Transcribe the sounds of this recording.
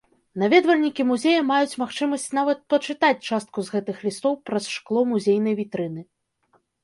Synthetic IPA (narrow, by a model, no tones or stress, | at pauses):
navʲɛd̪vɐlʲnʲikʲimuzʲejɐmajut͡sʲmaxt͡ʂɨmɐsʲt͡sʲn̪avɐt̪̚pɐt͡ʂɨt̪at͡sʲt͡ʂast̪̚kuzɣɛt̪ɨxlʲist̪ɔwpɾɐsʂklˠɔmuzʲejnɐjvʲit̪ɾɨnɨ